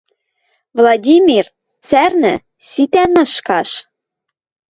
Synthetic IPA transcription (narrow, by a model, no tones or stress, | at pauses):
vlˠɑdʲimʲir | t͡særnɘ̆ | sit̪ænɤ̆ʃkɑʃ